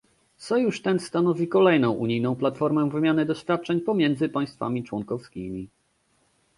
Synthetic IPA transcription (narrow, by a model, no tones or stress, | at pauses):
t̪sɔjuʂt̪ɛnst̪anɔvʲikɔlɛjnɔ̃w̃ʔuɲijnɔ̃w̃plat̪fɔɾmɛvɘmʲjanɘd̪ɔɕfʲjat̪̚t͡ʂɛɲpɔmʲjɛnd̪zɘpaj̃st̪fa̰mʲit͡ʂwɔŋkɔfskʲimʲi